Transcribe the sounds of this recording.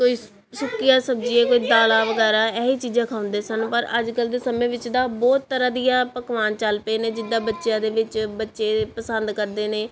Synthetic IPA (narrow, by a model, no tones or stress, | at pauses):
koːiː | sʊkɪjãːsəbd͡ʒiːeːkoːiːd̪aːlaːʋəɡɛːɾaːɛːiːt͡ʃiːd͡ʒãːkʰaːʊ̃nd̪eːsənpəɾəd͡ʒkəld̪eːsəmẽːʋɪt͡ʃd̪aːbɔːt̪ːəɾãːd̪ijãːpəkʋaːnt͡ʃəlpeːnẽːd͡ʒɪd̪ãːbətːʃjãːd̪eːʋɪt͡ʃbətːʃeːpəsənd̪kəɾd̪eːneː